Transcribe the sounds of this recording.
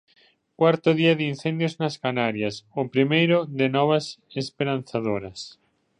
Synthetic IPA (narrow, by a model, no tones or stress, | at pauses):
kwaɾt̪ʊðiaðin̟θend̪joznaskanaɾjasopɾimejɾʊðɪnɔβ̞asespeɾan̟θaðoɾɐs